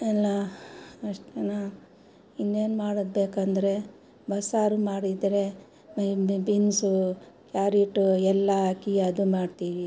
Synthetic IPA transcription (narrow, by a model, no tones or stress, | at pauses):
ɛlːaɐʂʈena | inːe̞ːnmaːɽod̪̚beːkɐnd̪ɐɾe̞ | bɐsaːɾumaːɽid̪ɾe̞ | binsu | kjaːɾiʈuɛlːakijaːd̪umaːɖt̪iːʋi